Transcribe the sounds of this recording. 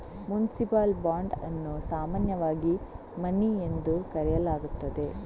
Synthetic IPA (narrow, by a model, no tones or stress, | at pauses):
munisipaːlbaːɳɖɐ̰nːusaːmaːnjɐʋaːɡi | mɐniend̪ukɐɾɛjɐlaːɡut̪ːɐd̪e̞